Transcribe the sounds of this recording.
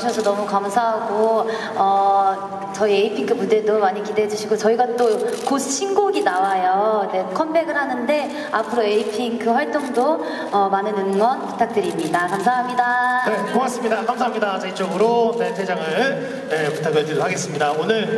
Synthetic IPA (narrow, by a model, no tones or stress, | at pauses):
ɕʰʌsʰʌnʌmukamsʰaɦaɡo | ʌ | t͡ɕʌieipʰiŋkɯmude̞domaɲikideɦed͡ʑuɕʰiɡot͡ɕʌiɡat͈okosʰɕʰinɡoɡinawajone̞kʰʌmbe̞ɡɯɭɦanɯnde̞ | apʰɯɾoeipʰiŋkɯɸwaɭt͈oŋdo | ʌmanɯnɯŋŋwʌnpu̥tʰak̚t͈ɯɾimɲidakamsʰaɦamɲidaneoas͈ɯmɲidakamsʰaɦamɲidat͡ɕait͡ɕ͈ʌɡɯɾone̞tʰed͡ʑaŋɯɭ | ne̞putʰaɡɯɭtɯdoɦaɡe̞s͈ɯmɲidaonɯɭ